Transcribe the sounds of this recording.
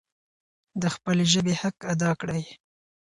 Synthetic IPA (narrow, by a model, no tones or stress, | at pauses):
d̪əxpəleʒəbehakad̪ɑkɽəj